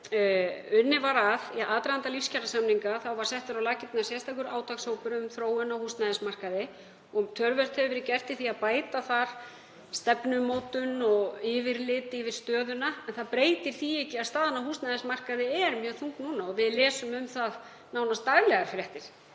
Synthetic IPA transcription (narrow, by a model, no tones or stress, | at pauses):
ʏnːɪvaɾaðʔaːt̪ɾaant̪alifscalasamniŋkaθawvaɾ̥sɛht̪ʏɾawlaːcɪt̪nasjɛst̪ʰajkʏɾaːwt̪ʰakshowpʏɾʏmθɾoːwʏnawhust̪naðɪnsmar̥kaðɪ | ɔɣt̪ʰœɾvɛr̥t̪hɛvʏvɛɾɪcɛr̥t̪ɪθiaðpaːjt̪aθaɾ̥ | st̪ɛpnʏmoːwt̪ʏnɔɣɪvɪɾlɪːt̪ɪvɪɾ̥st̪œːðʏnaɛnθaðpɾeːjt̪ɪɾ̥θiɛhcɪaðst̪aːðanahuːst̪naðɪnsmar̥kaðɪɛɾmjœːɣθuŋknuːnaɔvɪðlɛːsʏmʏmθað | naːwnast̪ːaɣlɛɣaɾ̥fɾɛht̪ɪɾ̥